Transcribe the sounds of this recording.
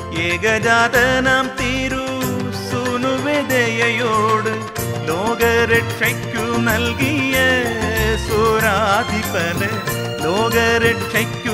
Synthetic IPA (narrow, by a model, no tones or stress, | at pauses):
eːɡɐd͡ʒaːðɐnaːmt̪iːɾu | sunuʋed̪ejɐjoːɽɯ | loːɡɐɾeʈ̚t͡ʃɐkːunɐlɡijɐ | suɾad̪ipɐlɯ | loːɡɐɾeʈt͡ʃɐkːu